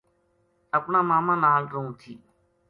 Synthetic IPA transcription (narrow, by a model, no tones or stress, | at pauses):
əpnãːmaːmãːnaːlɾũːt̪ʰiː